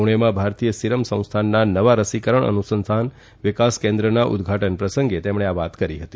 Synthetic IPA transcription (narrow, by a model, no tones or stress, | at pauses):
uɽ̃emãbʱaɾt̪ijəsiɾəmsə̃w̃st̪ʰanːanəʋaɾəsikəɾəɳə̰nusənsʰan | ʋɪkaskẽnd̪ɾənaʔṵd̪ɡʱaʈənpɾəsəŋɡet̪emɳ̃eaʋat̪kəɾiɦət̪i